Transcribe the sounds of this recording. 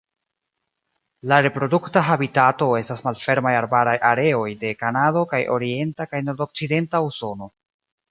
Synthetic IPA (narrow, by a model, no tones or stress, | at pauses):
laɾe̞pɾo̞duktaɦabitato̞e̞stasmalfe̞ɾmajaɾbaɾajʔaɾe̞o̞jde̞kanado̞kajʔo̞̰ɾie̞ntakajno̞ɾdo̞k̚t͡side̞ntauso̞no̞